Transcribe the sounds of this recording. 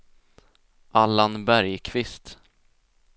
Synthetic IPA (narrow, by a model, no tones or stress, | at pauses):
ʔalːanbæɾjkʰvɪst̪